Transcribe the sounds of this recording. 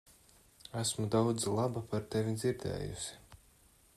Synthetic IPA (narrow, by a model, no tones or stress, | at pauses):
æsmud̪awd̪zlˠabapaɾt̪evid̪ziɾd̪ɛ̰ːjṵsi̥